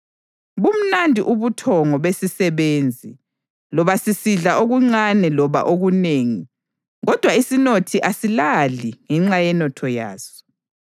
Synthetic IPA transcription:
βum̩nandʱḭʔuβutʰɔŋɔβesisɛβeːnd͡zʱi | lɔβasisiɮaʔoɣuŋ͡ǀanɛlɔβa̰ʔoɣuneːŋi | ɣɔd̥ʱwaisinotʰiʔasilaliŋɛŋ͡ǁajɛnɔtʰɔja̰ːsɔ̥

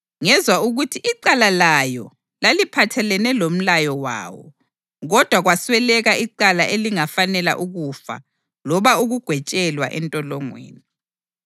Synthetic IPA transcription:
ŋɛzwauɣutʰiʔiǀalalajɔ̰ | lalipʰatʰɛlɛnɛlom̩lajɔwa̰ːwɔ̰ | ɣɔd̥ʱwaɣwaswɛlɛɣaiǀalaʔeliŋafanɛla̰ʔuɣufa̰ | lɔβauɣuɡ̥ʱwɛt͡ʃʼɛlwa̰ʔɛntʼɔlɔŋwḛːni

